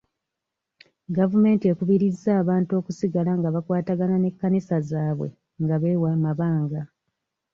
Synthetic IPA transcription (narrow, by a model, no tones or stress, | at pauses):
ɡavume̞ːntie̞kuβiɾizːaːβaːnto̞ːkusiɡalaŋɡaβakwaːtaɡanane̞kːanisazaːβwḛ | ŋɡaβeːwaːmaβaːŋɡa